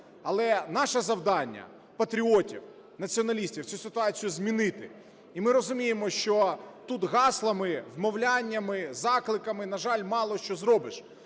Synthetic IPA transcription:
ɐlˠɛnɑʃɐzɐwd̪ɑnʲːɐ̰ | pɐt̪ɾʲiɔtʲiw | nɐt͡sʲiɔnɐlʲisʲtʲiwt͡sʲusɪt̪ʊɑt͡sʲijʊzmʲinɪt̪ɪ | imɪɾɔzʊmʲijemɔʃt͡ʃɔt̪ut̪ɣɑslˠɐmɪwmɔwlʲanʲːɐmɪzɑklˠɪkɐmɪnɐʒɑlʲmɑlˠɔʃt͡ʃɔzɾɔbɪʃ

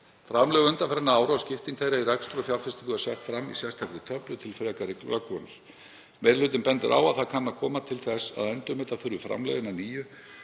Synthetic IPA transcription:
fɾamlœːɣʏʏnt̪afɛɾɪnaaːwɾʏascɪft̪iŋt̪ʰejɾairɛkst̪ɾɔfjawlfɪst̪ɪk̪ʏasjɛxt̪fɾamːḭsjɛst̪ʰakvɪt̪ʰœplʏt̪ʰɪlfɾɛːkaɾɪkllakɔnʏɾ̥ | mɛɾlʏːt̪ɪnpɛnt̪ɪɾʔa̰ːwaðθaðkʰanːakʰɔːmat̪ʰɪlθɛsa̰ðɛnt̪ʏmɛːt̪aθʏɾðʏfɾa̰mlɛ̰ɣɪnaniːjʏ

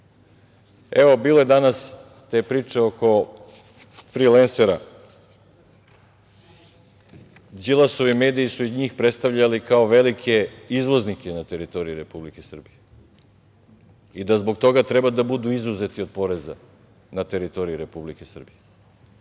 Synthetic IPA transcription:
e̞ʋo̞biːlˠo̞ed̪anas | t̪e̞ːpɾiːt͡ʃe̞oko̞ | fɾilenseɾa | d͡ʒilˠaso̞ʋime̞ːd̪ijisuiɲiːxpɾet̪st̪avʎalikaoʋe̞likʰe̞izlˠo̞znikenat̪e̞ɾit̪o̞ɾiiɾe̞publike̞sr̩bije | id̪azbo̞ɡ̚t̪o̞ɡat̪ɾebad̪abud̪uizuze̞t̪io̞d̪̚po̞ɾe̞za̰ | nat̪e̞ɾit̪o̞ɾiiɾe̞publike̞sr̩bije

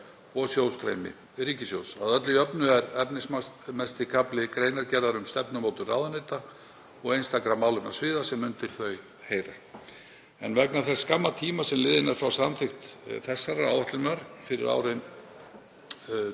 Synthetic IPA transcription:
ɔɣsjowst̪ɾḛjmɪ̰ | ɾiːcɪsjoːwsaðœt̪lɪœpnʏɛɾɛpnɪsmɛst̪ɪkʰaplɪkɾeːjnaɾcɛɾðaɾʏmst̪ɛpnʏmoːwt̪ʏraːwðanejt̪a | ɔɣejnst̪akɾamːaːwlʏma̰svɪːðasɛmːʏnt̪ɪɾ̥θœɥ | heːjɾa | ɛnvɛknaθɛsskamːat̪ʰiːmasɛmlɪːðɪnaɾ̥fɾawsamθɪxt̪θɛsːaɾaa̰wɛht̪lɪnaɾ̥fɪɾɪ̰ɾa̰ːwɾɪn

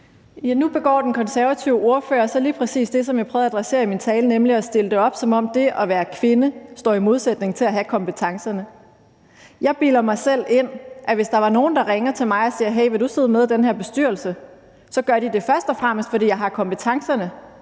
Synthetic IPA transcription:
jænub̥e̝ɡ̥ɒ̰ːd̥enkʰɒ̽nsæɐʋæt͡sʰiʊəʔo̝ɐfø̰ːɐsɒliːpʰʁɛsḭːsd̥e̝sɒ̽mjɑɪpʰœːðˠæd̥ʁase̝̰ɐimint͡sʰɛːlənemliɒsd̥e̝ləd̥e̝ɒ̽b̥sɒ̽mɒ̽m̰d̥e̝ʔɒ̽ʋæːɐkʰʋe̝nəsd̥ɒ̰ːimo̝ð̞ˠsed̥ne̝ŋt͡sʰe̝læɦækʰɒ̽mpət͡sʰɑ̈ŋsɐnə | jɑ̈ɪb̥iːlɐmɑ̈ɪsel̰e̝n̰ʔæʋe̝sd̥ɑ̈ʋɑ̈no̝ːn̩d̥ɑ̈ʁeŋɐt͡sʰe̝lmɑ̈ɪɒ̽siːɐɦeɪ̰ʋed̥use̝ðˠmeðˠd̥enɦæɐb̥e̝sd̥yɐ̰l̩sə | sɒ̽ɡ̥ɶɐɾ̥id̥e̝fɶɐsd̥ɒ̽fʁam̰əsd̥fɒ̽ɾḭːjɑ̈ɪɑ̈kʰɒ̽mb̥et͡sʰɑ̈ŋsɐnə

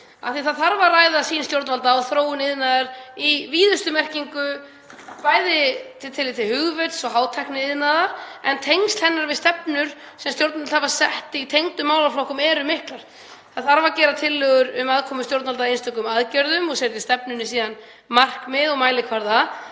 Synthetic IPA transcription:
a̰θiθaðθaɾvaraːjðasiːnst̪jowɾt̪nvalt̪aaðθɾoːwʏnɪðnaðaɾiviːðʏst̪ʏmɛr̥ciŋkʏ | paːjðɪt̪ʰɪt̪ʰɪlːɪt̪ʰɪlhʏɣvœt̪sɔɦaːwt̪ʰajknɪɪðnaðaɾ̥ɛnt̪ʰejŋst̪hɛnːaɾvɪðst̪ɛpnʏɾ̥ | sɛmst̪jowɾt̪nat̪lhavasɛht̪ɪit̪ʰejŋt̪ʏmːaːwlaflowhkʏmɛːɾʏmɪhklaɾ̥ | θaðθaɾvacɛːɾat̪ʰɪlːœɣʏɾʏmaðkʰɔːmʏst̪jowɾt̪nvalt̪aejnst̪œkʏmaðcœɾðʏmɔɣseɾt̪ɪst̪ɛpnʏnːɪsiːðan | mar̥kmɪðɔɣmaːjlɪkʰvaɾða

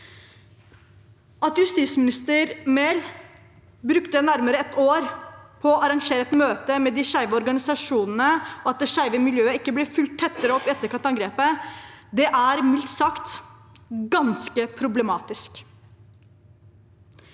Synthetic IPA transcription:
ʔɑt̪jʉst̪iːsmɪnɪst̪əɾmeːl | bɾʉkt̪ənæɾməɾəɛt̪oːɾpʰɔɑɾɑŋʂeːɾəɛt̪møːt̪əmɛd̪ɪʂæɪʋəɔɾɡɑnɪsɑʂuːnn̩əɔɑt̪̚d̪ɛːʂæɪʋəmɪljøːəɪkːəblɛfʉlt̪ʰːɛt̪ːəɾəɔpːɪɛt̪ːəɾkʰɑnt̪ɑŋɡɾeːpəd̪ɛʔæɾmɪlt̪sɑkt̪ | ɡɑnskəpʰɾʊblɛmɑːt̪ɪsk

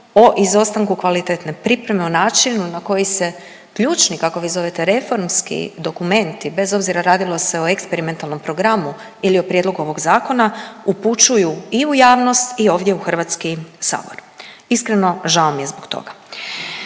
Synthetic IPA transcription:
o̞ʔizo̞st̪aŋkukʋalit̪et̪nepɾipɾe̞me̞onaːt͡ʃinunako̞jise̞ | kʎuːt͡ʃnikako̞ʋizo̞ʋe̞t̪e̞ɾe̞fo̞ɾmskḭd̪o̞kume̞nt̪ibe̞zo̞bziɾaɾaːd̪ilˠo̞se̞oekspeɾime̞nt̪alˠno̞mpɾo̞ɡɾamu | ilio̞pɾje̞d̪lˠo̞ɡuo̞ʋo̞ɡzaːko̞nauput͡ʃujuiujaːʋno̞st̪io̞ːʋd̪je̞uxr̩ʋat̪skisa̰ːbo̰ɾ | iskɾe̞no̞ʒaomijezbokt̪o̰ɡa

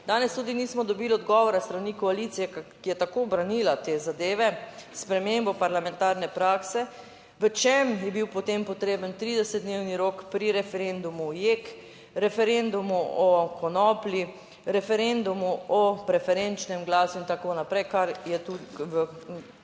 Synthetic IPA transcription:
d̪aːnɛst̪uːd̪iniːsmɔd̪ɔbiːlɔd̪ɡɔːʋɔɾast̪ɾanikɔalit̪sijɛkkijɛt̪akobɾanilat̪ezad̪eːʋɛspɾɛmembɔpaɾlamɛ̃nt̪aɾnɛpɾaːksɛ | ʋət͡ʃemjɛbiwpɔt̪empɔt̪ɾeːbənt̪ɾiːd̪ɛsəd̪̚d̪neːwniɾoːkpɾiɾɛfɛɾend̪umujeːk | ɾɛfɛɾend̪umuɔkɔnɔːpli | ɾɛfɛɾend̪umuɔpɾɛfɛɾent͡ʃnɛmɡlaːsuint̪akonapɾɛjkaɾjɛt̪uʋə

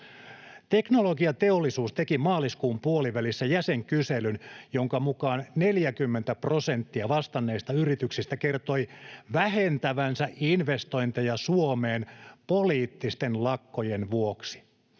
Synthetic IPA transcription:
t̪e̞knolo̞ɡiɑt̪e̞olːˑisuːst̪e̞kimɑːliskuːmpuoliʋælisːæjæseŋkyselynjoŋkɑmukɑːnne̞ljækymːent̪æpro̞sent̪ːiɑʋɑst̪ɑnːe̞ːst̪ɑyrit̪yksist̪æke̞rt̪o̞jʋæɦent̪æʋænsæʔinʋe̞st̪o̞jnt̪ejɑsuomeːnpoliːt̪ːist̪e̞nlɑkːo̞jenʋuoksi̥

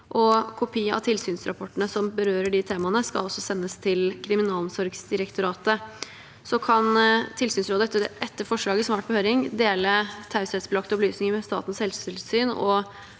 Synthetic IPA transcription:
ʔɔkʰʊpʰiːəɑ̰ʋt̪ʰɪlsyːnsɾɑ̰pʰɔʈːənəsɔmbəɾøːɾəɖɪt̪ʰeːmɑnəskɑ̰ɔsːɔsɛnːəst̪ʰɪlkʰɾɪmɪnɑːlsɔɾɡsd̪ɪɾəkt̪ʊɾɑːt̪ə | sɔkʰɑnt̪ʰɪlsyːnsɾoːd̪əɛt̪ːəʔɛt̪ːəɾfɔʂɭɑːɡəsɔmæːʈ̚bɔhøːɾɪŋd̪eːlət̪ʰɑʉsɛt̪sbəlɑk̚t̪ɔblyːsnɪŋəmɛst̪ɑ̰ːt̪n̩shɛlsɪlsyːnɔ̰

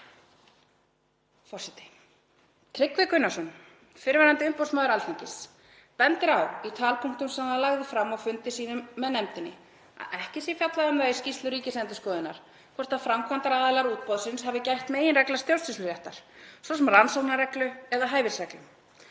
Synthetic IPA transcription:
fɔr̥sɛt̪ɪ̥ | t̪ʰɾɪkvɪkʏnːasʏn | fɪɾvaɾant̪ɪʏmpowsmaðʏɾalt̪ʰiɲcɪs | pɛnt̪ɪɾawit̪ʰaːlpʰuŋ̥t̪ʏmsɛmalaɣðɪfɾamːɔɣfʏnt̪ɪsiːnʏmːɛðnɛmt̪ɪnːɪ̰ | a̰ɛhcɪsifjat̪laðʏmðɛiscist̪lʏɾiːcɪsɛnt̪ʏskɔːðɪnːa̰ɾ̥ | kʰɔɾ̥t̪afɾamkʰvant̪aɾaːðɪlaɾuːt̪̚pɔðsɪnshavðɪcajht̪meːjɪnrɛklast̪jowst̪ɪsʏɾjɛht̪aɾ̥sɔsɛmransow̪naɾrɛklʏɛðaɦaːjvɪ̥sɛklʏm

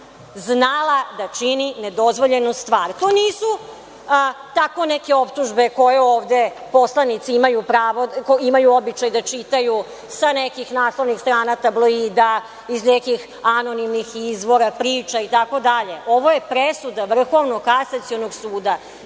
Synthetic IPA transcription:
znalˠad̪at͡ʃinined̪o̞zʋo̞ʎenost̪ʋaːɾt̪oːniːsu | t̪ako̞neke̞o̞pt̪uʒbe̞ko̞jeoːʋd̪e̞po̞slˠanit̪siimajupɾaːʋokoimajuobit͡ʃajd̪at͡ʃit̪aju | sanekixnaːslˠoʋnixst̪ɾaːnat̪ablˠoiːd̪a | iznekix | anonimnixizʋo̞ɾapɾiːt͡ʃait̪ako̞d̪aʎe̞ʔo̞ʋoje̞pɾesud̪aʋr̩xo̞ʋnoɡkkasat̪sio̞noɡsuːd̪a

